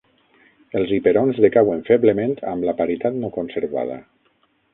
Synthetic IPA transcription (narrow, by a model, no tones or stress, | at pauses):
elˠzipeɾonzðekaweɱfeβləmẽnt̪ʰa̰mlapaɾit̪at̪nokonseɾβa̰ð̞ə̰